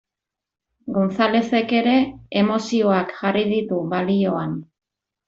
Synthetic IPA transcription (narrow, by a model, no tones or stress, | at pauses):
ɡunt͡sale̞se̞ke̞ɾe̞ːmo̞sio̞akʝarið̞it̪uβalio̞an